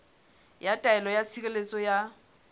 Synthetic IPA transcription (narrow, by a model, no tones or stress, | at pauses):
jatʼaɛlɔjasikʼelet͡sʼɔja